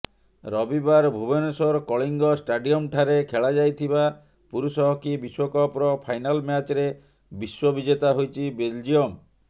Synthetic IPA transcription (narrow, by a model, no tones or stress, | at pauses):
ɾɔbibaɾbʱubenɔsɔɾkɔɭiŋɡɔsʈaɖiɔmʈʰaɾekʰeɭad͡ʒajt̪ʰiba | puɾusɔɦɔkibiswɔkɔpɾɔpʰajnalmat͡ʃɾe | biswɔbid͡ʒet̪aɦojt͡ʃʰibeld͡ʒiɔm